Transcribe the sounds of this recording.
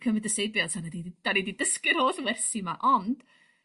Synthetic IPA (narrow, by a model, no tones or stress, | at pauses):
kʰəmɨdəsejbjɔtʰanədid̥anedidəskɪrhoːɬvɛrsimaʔɔnd̥